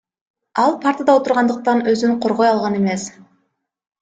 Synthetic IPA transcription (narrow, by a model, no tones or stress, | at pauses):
ɑlˠpʰaɾt̪əd̪ɑot̪uɾʁɑnd̪əq̚t̪ɑnø̞zyɴqʰo̞ɾʁo̞jɑlˠʁɑne̞me̞s